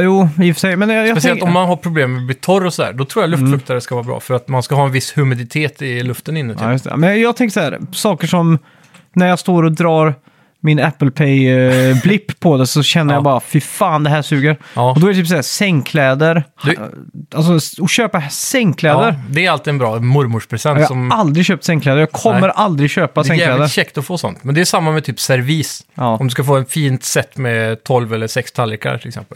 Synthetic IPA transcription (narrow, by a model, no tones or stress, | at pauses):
juːɪfœ̥sɛjmɛnjjɑsɛɔmːanɦaɾpʰɾʊbleːmːɛb̪iːt̪ʰɔɾɔsɔd̪æ̰ːɖ̪ɔt̪ʰɾuːjalɵft̪kt̪aɾəskavɑːɾabɾɑ̰ːfœɾat̪manskaɦɑːɛnvɪshɵmɪd̪ɪt̪ʰeːt̪ɪlɵft̪ənɪnːʉ̰jɵst̪ʰɛ̰mɛnjɑːɡt̪ʰɛŋkəsaæ̰ːɾsɑːkəʂɔm | næɾjɑːɡst̪oːɾɔd̪ɾɑːɾ | mɪnæpːəlpʰɛjblɪpʰːɔd̪ɛsɔɕɛnːəjɑbɑːɾafɪfaːnd̪ɛɦæːʂʉ̟ːɡəɾɔd̪ɔɛɾɛt̪yːpsæːsɛŋːkʰlɛːd̪əɾhd̪ʔals̬ɔɔɕøːpasɛŋːkʰlɛːd̪əɾd̪ɛɾalt̪ɪɛnbɾɑːmʊɾmʊʂpʰɾɛsɛnjɑasɔmald̪ɾɪɕøːp̚t̪sɛŋklɛːd̪əɾjɑːɡkʰɔmːəɾʔald̪ɾɪɡɕøːpasɛŋkːlɛːd̪əɾɕɛkt̪ɔfoːsɔ̰nt̪mɛnd̪ɛːʂamːamɛt̪ʰyːpsɛɾviːsɑːɔmd̪ɵskafoːɛnfiːnt̪sɛt̪ːmɛt̪ʰɔlvɛlːəsɛkst̪ʰalːɪka̰ɾʈʰɪlɛksɛ̰mpəl